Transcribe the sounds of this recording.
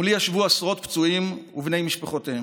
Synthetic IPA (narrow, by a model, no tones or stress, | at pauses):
uliaʃvuasʁo̞t̪pt͡suimuvne̞jmiʃpaχot̪ee